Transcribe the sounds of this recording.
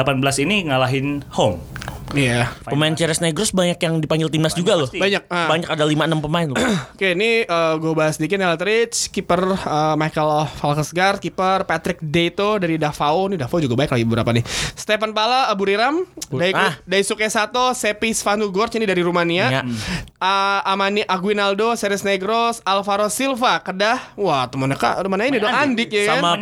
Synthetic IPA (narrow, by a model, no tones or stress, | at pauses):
apanbəlasiniŋalaɦɪnhomijappəmaɪnt͡ʃɛɾɛsnaɡɾɔsbaɲakjaŋdipaŋɡɪlt̪imblasd͡ʒuɡalʊbaɲak̚abaɲakadalimaənəmpəmaɪnlkeniəɡobasədikɪt̪nelat̪ɾɪt͡ʃkipərəmajkəlfalkəsɡart̪̚kipərpat̪ɾɪk̚det̪odaɾidafaonidafaud͡ʒuɡabaɪk̚laɡibəbəɾa̰panɪst̪efanpalaəbuɾiɾamdaikdaisukesat̪osepisfanuɡɔrt͡ʃinidaɾiɾumania | əamaniʔaɡuinaldosɛɾɪsneɡɾosalfaɾosilfakədahwat̪əmənaka̰t̪əmanainidoandɪk̚jaka